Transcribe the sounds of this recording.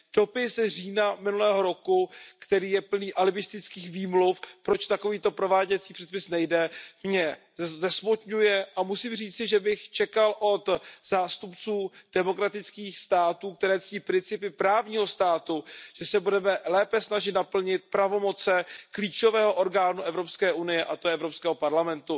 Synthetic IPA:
d̥o̞pɪsriːnamɪnulɛːɦo̞ɾo̞kukt̪ɛɾiːjɛpl̩niːʔalɪbɪst̪ɪt͡skiːxviːmlufpɾo̞t͡ʃt̪ako̞viːt̪o̞pɾo̞vaːɟɛt͡siːpr̥ɛt̪̚pɪsnɛjdɛmɲɛ | zɛsmot̪ɲujɛʔamusiːmr̝iːt͡sɪʒɛbɪxt͡ʃɛkalʔo̞t̪z̥aːst̪upt͡suːd̥ɛmo̞kɾat̪ɪt͡skiːxst̪aːt̪uːk̚t̪ɛɾɛːt͡sciːpɾɪnt͡sɪpɪpɾaːvɲiːɦo̞st̪aːt̪uʒ̥ɛsɛbudɛmɛlɛːpɛsnaʒɪt̪napl̩ɲɪt̪̚pɾavo̞mo̞t͡sɛkliːt͡ʃo̞vɛːɦoʔo̞ɾɡaːnuʔɛvɾo̞pskɛːʔunɪjɛʔat̪oɛʔɛvɾo̞pskɛːɦopaɾlamɛnt̪u

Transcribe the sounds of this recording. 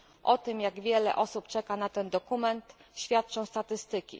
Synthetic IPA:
ʔɔt̪ɘmjaɡvʲjɛlɛ̰ʔɔsupt͡ʂɛkanat̪ɛnd̪ɔkumɛnt̪ɕfʲjat̪̚t͡ʂɔ̃w̃st̪at̪ɘst̪ɘkʲḭ

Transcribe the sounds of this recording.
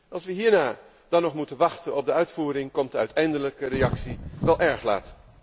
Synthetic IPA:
ʔɑlˠsʋəɦiːɹnaː | d̥ɑnɔχmutənʋɑχtənɔb̚dəœɥtfuːɾɪŋkɔmtdəœɥtʰɛjndələkəɾejɑksiʋɛlˠʔɛɹχla̰ːt

